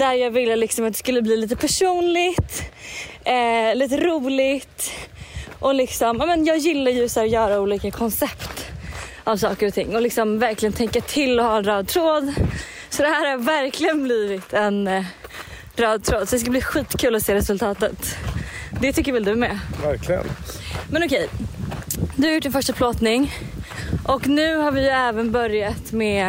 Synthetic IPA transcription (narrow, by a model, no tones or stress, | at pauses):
d̪æɾjɑːɡvɪlːəlɪksɔmat̪d̪ɛskɵlːəbliːliːt̪əpʰæʂuːnlɪɡt̪ | liːt̪̬əɾuːlɪɡt̪ | ʔɔlɪksɔmɑːmɛnjɑːɡjɪlːaɾjɵsæːɾjœːɾauːliːkakʰɔnsɛpt̪ | avsɑːkəɾɔt̪ʰɪ̰ŋːɔlɪksɔmvæɾklɪɡənt̪ʰɛŋkːat̪ʰɪlːɔhɑːɛnɾɑːd̪̚t̪ʰɾoːd̪ | sɔd̪ɛhæːɾhavæɾkʰlɪɡənbliːvɪt̪ʰɛn | ɾɑːd̪̚t̪ʰɾoːd̪sɔd̪ɛs̬kabliːɧiːt̪kʰʉ̟ːlɔseːɾɛsɵlt̪ʰɑːt̪ə̰t̪ | d̪ɛt̪ʰʏkːəɾvɪld̪ɵmɛvæɾklɪɡə̰nmɛnɔkʰɛj | d̪ɵhaɾʊʈ̚ːɖɪnfœʂʈapʰloːt̪nɪŋ | ʔɔknʉ̟ːhaɾvɪjɵɛːvənbœɾjat̪mɛ